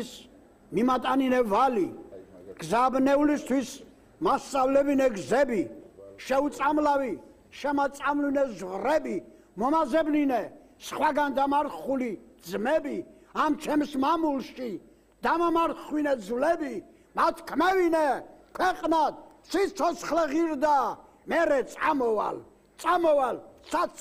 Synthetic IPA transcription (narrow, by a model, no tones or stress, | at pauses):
s | mimat̪ʼaninɛvali | ɡ̥zaːbnɛulist̪ʰwis | mast̪sʼavlɛbinɛɡzɛbiʃɛut̪sʼamlavi | ʃɛmat̪sʼamlinɛzʁɾɛbi | mɔmazɛbninɛ | sχwaɡand̪amaɾχulid̪zmɛbi | amt͡ʃʰɛmsmamulʃi | d̪̥amamaɾχwinɛzwlɛbi | mat̪ʰkʰmɛvinɛkʰwɛqʼnad̪sit̪sʰɔt̪sʰχlɛʁiɾd̪a | mɛɾɛt̪ʼa̰mɔva̰l | t̪sʼamɔvalsʰa